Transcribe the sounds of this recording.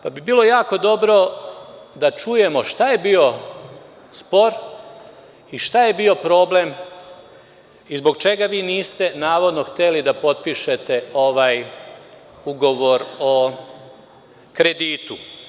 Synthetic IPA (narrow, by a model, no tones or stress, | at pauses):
pabibiːlo̞jaːko̞d̪o̞bɾo̞ | d̪at͡ʃuje̞mo̞ʃt̪ajebiːo̞ | spo̞ɾ | iʃt̪aje̞bio̞pɾo̞ːble̞m | izbo̞ɡt͡ʃe̞ɡaʋiːniːst̪e̞naːʋo̞d̪noxt̪e̞lid̪apo̞t̪̚piʃe̞t̪e̞o̞ʋaj | uɡo̞ʋo̞ɾo̞ | kɾe̞d̪iːt̪u